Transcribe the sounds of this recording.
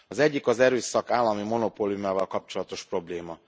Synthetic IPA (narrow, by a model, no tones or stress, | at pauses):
ɒzɛɟːikɒzɛɾøːsɒkaːlːɒmimo̞no̞poːlijumaːvɒlkɒp̚t͡ʃo̞lɒt̪o̞ʃpro̞bleːmɒ